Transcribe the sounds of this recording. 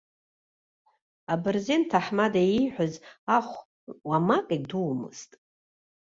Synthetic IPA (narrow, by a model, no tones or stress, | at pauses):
abɨrzentʰaħmadaiħʷazaχʷ | wamakʼaduwmɨ̰z̥tʼ